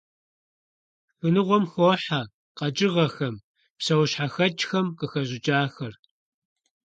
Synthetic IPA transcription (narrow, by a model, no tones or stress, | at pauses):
xɨnɨʁʷɔmxʷoːħa | qɐt͡ʃʼɪʁɐxɐm | psɐwɕħaxɐt͡ʃʼxɐmqəxɐʑɪt͡ʃʼaːxɐr